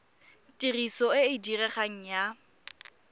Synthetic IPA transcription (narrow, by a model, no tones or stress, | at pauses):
tʼirisɔɪɪdirɛχaŋ̩ja